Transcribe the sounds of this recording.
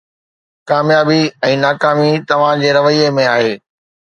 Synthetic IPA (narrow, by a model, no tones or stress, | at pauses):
kaːmjaːbiɛ̃ːnaːkaːmit̪ɐʋ̤ãd͡ʑeːɾɐʋəiemẽaːɦeː